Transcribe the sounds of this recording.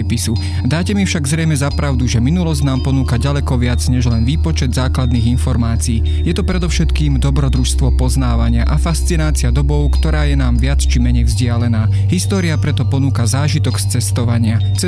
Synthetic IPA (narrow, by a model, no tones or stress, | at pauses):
pisu | d̪aːcɛmifʃaɡzɾɛjmɛzapɾaʊd̪uʒɛminulɔzɟnaːmpɔnuːkaɟalɛkɔʋɪad͡zɲɛʒlɛnʋiːpɔt͡ʃɛd̪zaːklad̪niːɣinfɔɾmaːt͡siiː | jɛt̪ɔpɾɛd̪ɔʊʃɛt̪kiːmd̪ɔbɾɔd̪ɾuʃst̪ʋɔpɔznaːʋaɲɪaʔafast͡sinaːt͡siad̪ɔbɔʊkt̪ɔɾaːjɛnaːmʋɪat͡st͡ʃimɛɲɛjvzɟɪalɛnaː | ɦist̪ɔːɾiapɾɛt̪ɔpɔnuːkazaːʒit̪ɔkst͡sɛst̪ɔʋaɲɪa | t͡sɛ